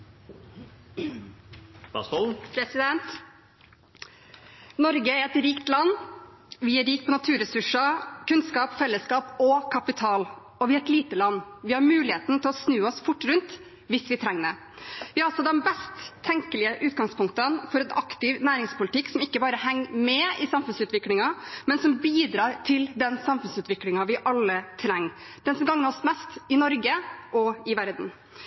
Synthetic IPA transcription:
bɑ̰sɔpʰɾɛsɪd̪ɛnt̪ | nɔɾɡəæɾɛt̪ɾiːkt̪lɑnː | ʋɪæɾiːkpʰɔnɑt̪ʰʉːɾɛsʉʂɑkʉnskɑːpfɛlːəskɑːpɔkʰɑpɪt̪ʰɑːl | ɔʋɪhæt̪liːt̪əlɑnːʋɪhɑɾmʉːlɪheːt̪n̩t̪ʰɪlɔsnʉːɔsfʊʈːɾʉnt̪ | ʋɪsʋɪt̪ʰɾɛŋːnə | ʋɪɑlsɔd̪ɛnbɛst̪ʰːɛŋkəlɪəʔʉːt̪ɡɑŋspʰʊŋkt̪ənfɔɾɛnɑkt̪ɪʋnæːɾɪŋspʊlɪt̪ɪkːsɔmɪkːəbɑːɾəhɛŋːmɛɪsɑmfʉnsʉːt̪ʋɪklɪŋɑmɛnsɔmbiːd̪ɾɑːɾʈ̪ʰɪld̪ɛnsɑmfʉnsʉːt̪ʋɪklɪŋɑʋɪʔɑlːət̪ʰɾɛŋː | d̪̥ɛnsɔmɡɑŋːnəɾɔsmɛst̪ɪnɔɾɡəʔɔɪʋæɾd̪n̩

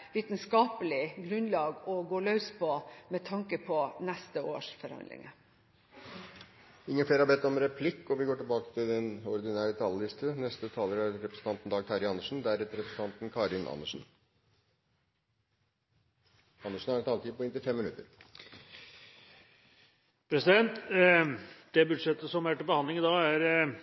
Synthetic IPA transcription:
ʋiːt̪nskɑːpəlɪɡɾʉnlɑːɡɔɡoːɭœʉspʰɔmɛt̪ʰɑŋkəpʰɔnɛst̪əo̰ːʂfɔɾhɑ̰nd̪lɪ̰ŋə | ɪŋːənfleːɾhɑbɛt̪ːɔmɾɛpʰlɪkːɔʋɪɡoːʈɪlbɑːkə̥t̪ʰɪld̪ɛnɔɾd̪ɪnæːɾət̪ʰɑlːəlɪst̪ənɛst̪ət̪ʰɑːləɾəæɾɛpɾəsən̩t̪ɑnt̪n̩d̪ɑːɡ̚t̪ʰɑɾɪɑnːəʂn̩d̪æɾɛt̪ɾɛpɾəsəɑnt̪nkʰɑːɾɪnʔɑ̰nːəʂn̩ | ɑnːəʂn̩hɑɾɛt̪ɑːlt̪ʰiːpɔɪnt̪ɪfɛmːɪnʉt̪ːəɾ | pʰɾɛsɪd̪ɛnt̪ | d̪̥ɛbʉd̪ʂɛt̪ːəsɔmæʈəbəhɑnd̪lɪŋd̪ɑːæɾ

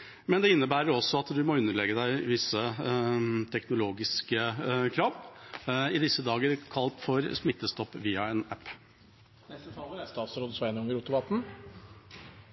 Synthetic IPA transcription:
mɛnd̪ɛɪnːəbæːɾəɾɔsːɔɑt̪d̪ʉmɔʉnːəɭɛɡəd̪æɪʋɪsːə | t̪ʰɛknʊloːɡɪskəkʰɾɑːʋ | ɪd̪ɪsːəd̪ɑːɡəɾkʰɑlt̪fɔɾsmɪt̪ːəst̪ɔpːʋiːɑɛːnæpː | nɛst̪ət̪ʰɑlːəɾæst̪ɑːt̪sɾoːd̪sʋæɪnɔŋəɾʊt̪ʊmɑt̪n̩

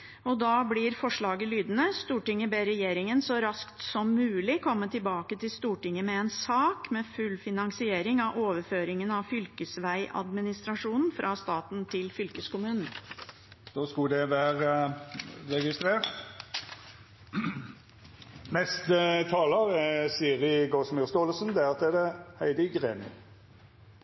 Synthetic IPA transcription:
ɔd̪ɑːblɪɾfɔʂɭɑːɡəlyːd̪ənəst̪uːʈɪŋːəbeːɾɛjeːɾɪŋənsɔɾɑskt̪sɔmːʉːlɪkʰɔmːət̪ʰɪlbɑːkət̪ʰɪlst̪uːʈɪŋːəmɛɛːnsɑːkmɛfʉlfɪnɑŋsɪeːɾɪŋɑʔoːʋəɾføːɾɪŋənɑʋfʏlkəsʋæɪʔɑ̰d̪mɪnɪst̪ɾɑʂuːnn̩fɾʔɑst̪ɑːt̪nt̪ʰɪlfʏlkəskʊmʉːnn̩ | d̪̥oːskʊd̪ɛʋæːʁə | ʁɛɡɪst̪ɾeːʁt̪ | nɛst̪ət̪ʰɑːləɾɛsiːɾɪɡɔsmɪst̪oːləsn̩d̪ɛæɾɑt̪ɛd̪ɛhæɪd̪əɡʁeːmə̰

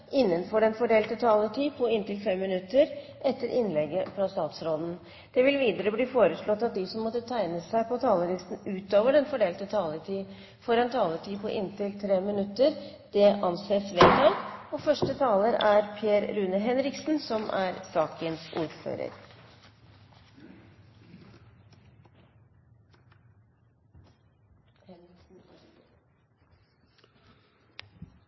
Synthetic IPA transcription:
ʔɪnːənfɔɖɛnfɔɖeːlt̪ət̪ʰɑːləʈʰiːpʰɔɪnt̪ɪlfɛmːɪnʉt̪ːəɾʔɛt̪ːəɾʔɪnlɛɡəfɾɑst̪ɑːt̪sɾoːd̪n̩ | d̪̥ɛʋɪlʋiːd̪əɾəbliːfoːɾəʂɭɔt̪ːɑt̪̚d̪ɪsɔmːɔt̪ːət̪ʰæɪnəsæɪpɔt̪ʰɑːləlɪst̪n̩ʉːt̪oːʋəɖɛnfɔɖeːlt̪ət̪ʰɑːləʈ̪ʰiː | fɔɾɛnt̪ʰɑːləʈʰiːpʰɔʔɪnt̪ɪlt̪ʰɾeːmɪnʉt̪ːəɾ | d̪̥ɛʔɑnseːsʋḛt̪ʰɑːɡɔːfœʂʈət̪ʰɑːləɾæɾpʰjeːɾɾʉnəɦɛnɾɪksn̩sɔmʔæɾsɑːkənsʔuːɾfø̰ːɾə̰ɾ | n̩

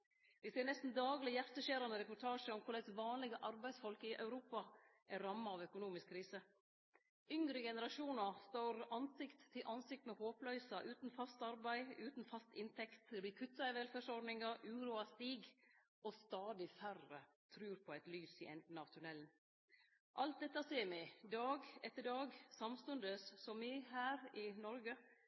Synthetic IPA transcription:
ʋɪseːɾɳnɛst̪n̩d̪ɑːɡlɪjæɾt̪əʃeːɾɑnd̪əɾɛpʊʈʰɑːʂəɔmkʰʊɭɛsʋɑːnlɪɡəʔɑɾbæɪsfɔlkɪʔɑ̰ʉɾuːpɑʔæɾɑmːɑɑʋœkʊnuːmɪskʰːɾiːsə | ʏŋɾəɡɛnəɾɑʂuːnɑst̪oːɾɑnsɪkt̪ʰːɪlʔɑnsɪk̚t̪mɛhoːplœʏsɑʔʉːt̪n̩fɑst̪ɑɾbæɪʉːt̪n̩fɑst̪ɪnt̪ʰɛkt̪ɾɪkʰʉt̪ːɑɪʋɛlfæːʂɔɾɖnɪŋɑʔʉːɾuɑst̪iːɡ | ʔɔst̪ɑːd̪ɪfærə | t̪ʰɾʉːɾpʰɔæɪt̪lyːsɪʔɛ̰nd̪n̩ɑːʋt̪ʰʉɳɛln | ʔɑlt̪̚d̪ɛt̪ːɑseːmæɪd̪ɑːɡɛt̪ːəɖɑːɡsɑmst̪ʉnd̪əsːɔmɪɦæːɾɪnɔɾɡə

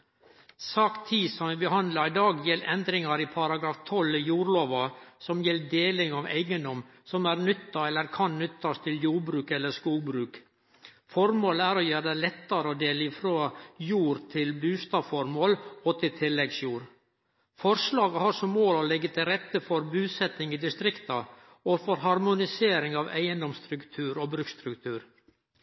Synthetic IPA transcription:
sɑːkt̪ʰiːsɔmʋɪbəɦɑnd̪lɑɾɪd̪ɑːɡjɛlːʔɛnd̪ɾɪŋɑɾipʰɑɾɑɡɾɑːft̪ʰɔljuːɾloːʋɑsɔmjɛlːd̪eːlɪŋɑʋæ̰ɪɡənd̪ɔm | sɔmæːɾnʏt̪ːɑɛlːəɾkʰɑnnʏt̪ːɑst̪ʰɪljuːɾbɾʉːkɛlːəskuːlbɾʉːk | fɔɾmoːləæɾoːjøːɾd̪ælɛt̪ːɑɾəɔd̪eːlɪfɾoːjuːɾt̪ʰɪlbʉːst̪ɑfɔɾmoːlɔt̪ʰɪlt̪ʰɪlːɛɡsjuːɾ | fɔɾʂlɑːɡəhɑɾsɔmmoːɾɔlɛɡːət̪ʰɪlɾɛt̪ːəfɔɾbʉːsɛt̪ɪŋɪd̪ɪst̪ɾɪkt̪ɑ | ɔfɔɾɦɑɾmʊnɪseːɾɪŋɑʋæɪənd̪ɔmst̪ɾʉkt̪ʰʉːɾɔːbɾʉkst̪ɾʉkt̪ʰʉːɾ

